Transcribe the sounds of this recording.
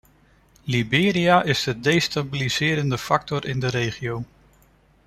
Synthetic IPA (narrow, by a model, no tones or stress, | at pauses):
libɪːɾiaʔɪzdədejstabilizɪːɾəndəfɑk̚tɔɾʔɪndəɾejχiow